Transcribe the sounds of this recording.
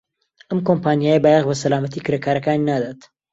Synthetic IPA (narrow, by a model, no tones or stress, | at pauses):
ʔɐmkompaːnjaːjəbaːjaʁbɐsɐlaːmɐt̪iːkɨɾekaːɾɐkaːninaːd̪at̪